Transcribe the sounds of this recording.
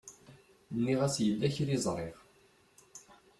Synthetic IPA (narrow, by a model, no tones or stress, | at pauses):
nːiʁæsjəlːæçɾizˤɾˤeʁ